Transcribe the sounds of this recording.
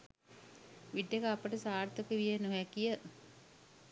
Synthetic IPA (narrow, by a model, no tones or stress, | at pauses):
ʋiɖːekəapəʈəsaːrt̪əkəʋijenuɦækijə